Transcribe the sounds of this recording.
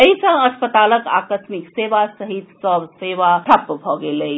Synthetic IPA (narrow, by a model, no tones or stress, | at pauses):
əisə̃əspət̪aləka̰kəsmikseʋasəɦit̪səbseʋaʈʰɐpːbʱɔɡeləi